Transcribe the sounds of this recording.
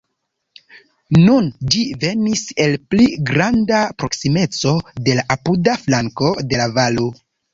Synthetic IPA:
nund͡ʒive̞nise̞lpliɡɾandapɾo̞ksime̞t͡so̞de̞laʔapudaflaŋko̞de̞lavalo

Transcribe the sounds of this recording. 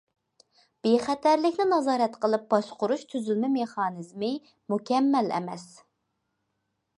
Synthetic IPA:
b̥eχæt̪ʰæɾlɪkʲnɪnɑzɑːɾɛt̪qəlˠɨp̚bɑʃqʰʊɾuʃt̪ʰyzylmɪmeχɑːnɨzmɨ | mukʲʰɛmːɛlɛ̰mɛs

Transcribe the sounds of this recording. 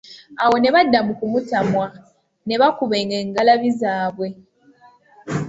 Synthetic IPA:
awo̞ne̞βadːamukumutamwa | ne̞βakuβe̞ŋeŋɡalaβizaːβwe̞

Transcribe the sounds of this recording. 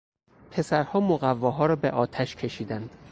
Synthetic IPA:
pʰe̞sæɾhɒːmoɣævːɒːɦɒːɾɒːbeʔɒːt̪ʰæʃcʰe̞ʃiːd̪ænd̪̥

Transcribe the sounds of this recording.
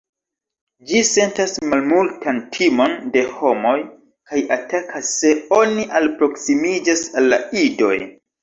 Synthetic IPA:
d͡ʒise̞ntasmalmultʰantʰimo̞nde̞ho̞mo̞j | kajatakʰasːe̞o̞niʔalpɾo̞ksimid͡ʒasalːa̰ido̞̰j

